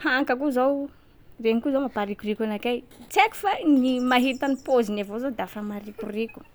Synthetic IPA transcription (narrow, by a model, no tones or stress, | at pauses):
haŋkakuzaw | reɲikuzawmapaɾikurikanakajt͡seku̥fanimaɦit̪anipozinavozod̪afamaɾikurikʲu̥